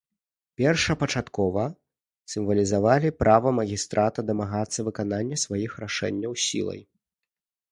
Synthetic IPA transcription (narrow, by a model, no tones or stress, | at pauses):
pʲɛrʂɐpɐt͡ʂat̪kɔvɐ | sʲɨmvɐlʲizavalʲipɾʔavɐmɐɣʲist̪ɾʔat̪ɐd̪ɐmaɣat̪sːɐvɨkananʲːɐsvajixraʂɛ̰nʲːɐwsʲḭlˠɐ̰j